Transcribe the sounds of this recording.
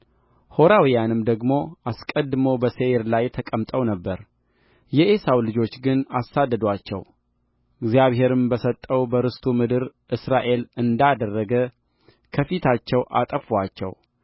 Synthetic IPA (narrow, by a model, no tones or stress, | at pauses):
ho̞ɾawijanɨmd̪əɡmo̞ʔaskʼəd̪ɨmobəseɾlajt̪ʰəkʼəmt̪ʼəwnəbːəɾ | jɛʔesawlɨd͡ʒo̞t͡ʃːɡɨnasːad̪ːəd̪wat͡ʃːɛ̰w | ɨɡzijaβɦe̞ɾɨmbəsət̪ʼːəwbəɾɨst̪ʰumɨd̪ɨɾʔɨsɾaʔe̞lɨnd̪ad̪ərːəɡə | kʰəfit̪ʰat͡ʃːɛwʔa̰t̪ʼəfat͡ʃːɛ̰w